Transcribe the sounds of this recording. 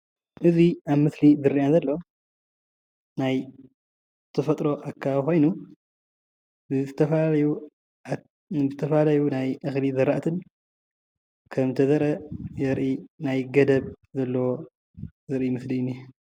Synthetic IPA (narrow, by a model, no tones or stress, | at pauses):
ʔɨziaβmɨslizɨɾijazɐlːɐ | naj | zɨt̪ʰɐfɐt̪ʼɾo̞ʔakʰːaxo̞jnu | ɨɨt̪ʰɐfɐalɐju | zɨt̪ʰɐfɐlalɐjunajʔɨxlizɐɾaʔt̪ʰɨn | kʰɐmt̪ʰɐzɐɾɐjɛɾʔinajɡɐd̪ɐβ | zɐlːɐwo | zɨɾʔimɨslinːi